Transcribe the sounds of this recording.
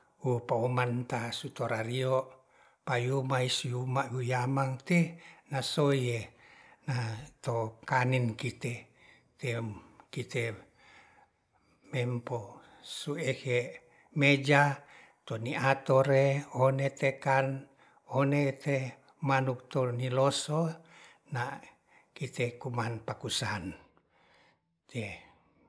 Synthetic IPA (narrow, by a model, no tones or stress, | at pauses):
upaumant̪asut̪oɾarioʔ | pajumaisujumaʔujamaŋt̪enasoienat̪okaninkit̪e | t̪ekit̪e | mɛmpo | sueke | med͡ʒa | t̪oniʔat̪oɾeonet̪ekan | onet̪e | manuk̚t̪oniloso | na | kit̪ekumanpakusan | t̪e